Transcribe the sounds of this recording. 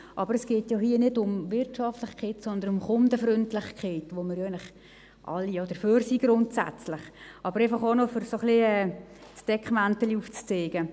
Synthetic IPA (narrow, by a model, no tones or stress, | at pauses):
ʔɑbəɾəsɡ̥eːtjoɦiənɪdʊmvɪrtʃɑftlɪχkχɛːtsɔnd̪ənʊmχʊndəfɾʏntlɪχkχɛːtʋoməɾjæɡnlɪχ | ʔɑ̰lːijod̥əføːrsiɡ̥ɾʊntsa̰t͡slɪχʔɑb̥əɾɛɪfɑχonofʏɾsoχliɛːsd̥ɛkχmæntəliuft͡st͡seːɡ̥ə